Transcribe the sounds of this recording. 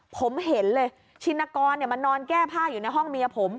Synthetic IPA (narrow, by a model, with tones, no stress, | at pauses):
pʰo˩˦mɦe˩˦nlɤː˧j | t͡ɕʰi˧nːa˧kɔː˧nːi˥˩ɐma˧nːɔː˧nkɛː˥˩pʰaː˥˩juː˨˩na˧jɦɔ˥˩ŋmi˧ɐpʰo˩˦m